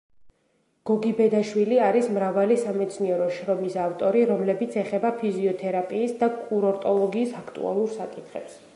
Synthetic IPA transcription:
ɡ̥ɔɡibɛd̪aʃwiliaɾismɾavalisamɛt̪sʰniɛɾɔʃɾɔmisaft̪ʼɔɾiɾɔmlɛbit̪sʰɛχɛbapʰiziɔt̪ʰɛɾapʼiːsd̪akʼuɾɔɾt̪ʼɔlˠɔɡiːsakʰt̪ʼṵa̰lˠuɾsakʼit̪ʰχɛ̰ps

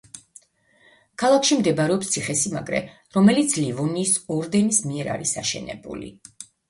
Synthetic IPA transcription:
kʰalˠakʰʃimd̪ɛbaɾɛɔpst̪sʰiχɛsima̰ɡɾɛ̰ | ɾɔmɛlit̪sʰlivɔniːsɔɾd̪ɛnismiɛɾa̰ɾisaʃɛ̰nɛ̰bṵlḭ

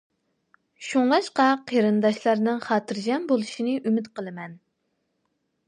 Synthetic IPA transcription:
ʃuŋɑʃqɑqʰeɾɨnd̪ɑʃlˠɑɾnɨŋχɑːt̪ʰɨɾd͡ʒɑnbolˠuʃinɨʔymɪt̪qəlˠɨmɛn

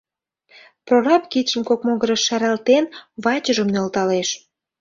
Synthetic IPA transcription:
proɾɑpkit̪ʃəmkok̚moɣəɾəʃːæɾælt̪enβɑt͡ɕəʒəmnølt̪ɑleʃ

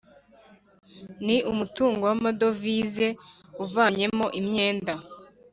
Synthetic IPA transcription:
niʔumutuːŋɡowamadovize̞ | uvaɲe̞mo̞ʔimɲe̞ːnda

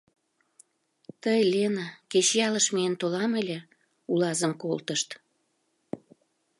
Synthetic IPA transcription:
t̪əjlʲenaket͡ɕjɑləʃmeənt̪olɑməlʲe | ulɑzəmkolt̪əʃt̪

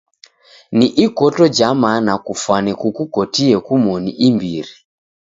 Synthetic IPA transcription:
niʔikɔtɔd͡ʒamanakufwanɛkukukɔtiɛkumɔniʔimbiɾi

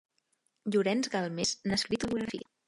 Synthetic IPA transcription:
ʎuɾɛnzɣalˠmesnəskɾit̪uβuɣɾəfḭə

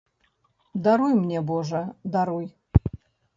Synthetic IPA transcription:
d̪aɾujmnʲɛbɔʐɐd̪aɾuj

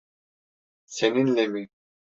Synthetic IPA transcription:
seninlemi

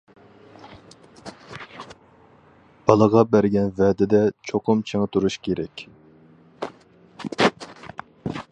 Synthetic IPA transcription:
b̥ɑlˠəʁɑbæɾɡʲɛnvɛːd̪ɪd̪ɛt͡ʃʰoqʰʊmt͡ʃʰeŋɨt̪ʰuɾuʃkʲʰeɾɛkʲ

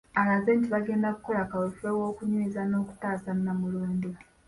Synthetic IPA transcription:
alazeːntiβaɡe̞ːndaku̥ko̞lakawufewo̞ːkuɲwiːzano̞ːku̥taːsannamuluːndi

